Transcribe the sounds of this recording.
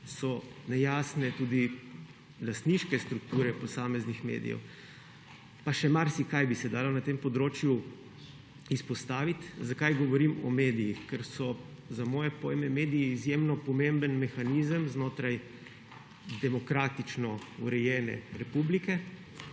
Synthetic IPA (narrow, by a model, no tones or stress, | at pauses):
sɔnɛjaːsnɛt̪uːd̪i | last̪niʃkɛst̪ɾuk̚t̪uːɾɛpɔsaːmɛznixmḛːd̪ijɛ̰w | paʃɛmaɾsikajbisɛd̪aːlonat̪empɔd̪ɾoːt͡ʃju | ispɔst̪aːʋit̪zakajɡɔʋɔɾimɔ̰med̪ijixkɛɾsɔ | zamɔːjɛpɔːjmɛmeːd̪ijiːzjemnɔpɔmembənmɛxanizəmznoːt̪ɾaj | d̪ɛmɔkɾaːt̪it͡ʃnɔuɾɛjɛːnɛ̰ɾɛpublikɛ